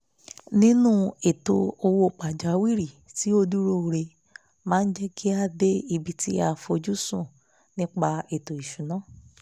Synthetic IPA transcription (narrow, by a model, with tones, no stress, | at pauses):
nĩ˦nũ˦e˨to˧o˧wo˧˨k͡pa˨d͡ʒa˨˦wi˦˨ɾi˨ | ti˨˦o˧du˦ɾo˦˨ɾe˧ | mãː˦n̩˦d͡ʒɛ˦kʰi˦a˧de˦i˧bi˧ti˦a˧fo˧d͡ʒu˦sũ˦˨ | nĩ˦k͡pa˧e˨to˨i˨ʃũ˨˦nãː˨˦